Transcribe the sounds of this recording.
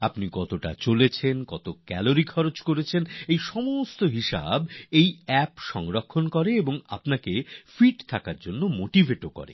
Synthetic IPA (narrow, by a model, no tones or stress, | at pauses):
apnikɔt̪oʈa̰t͡ɕolet͡ɕʰenkɔt̪okɛloɾikʰɔɾot͡ɕkoɾet͡ɕʰenejʃɔmost̪oɦiʃa̰bejɛpʃɔŋɾakʰːonkɔɾeeboŋa̰pnakefiʈt̪ʰakaɾd͡ʑonːomoʈivʱeʈokɔ̰ɾḛ